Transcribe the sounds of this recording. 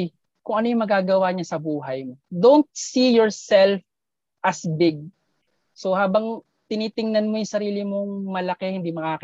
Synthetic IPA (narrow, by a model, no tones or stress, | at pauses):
kʊŋʔɐnojʊŋmɐɡaːɡɐwaɲɐsɐbuːɦɐjmod̪ont̪̚sijɔɹsɛlf | ʔɐsbɪɡ̚ | sohaːbɐŋ | t̪ɪniːt̪ɪŋnɐnmo̞jʊŋsɐɾiːlɪmoŋmɐlɐkɛhɪnd̪imɐkaːk